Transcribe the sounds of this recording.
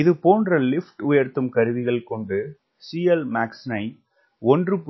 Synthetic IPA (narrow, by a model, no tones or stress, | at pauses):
ɪðɯpoːndrɐlɪfʈʊjɐɾt̪ːɯmkɐɾɯʋɪɣɐɭkɔɳɖɯ | siːɐlmaːksnɐɪ | ɔndrɯp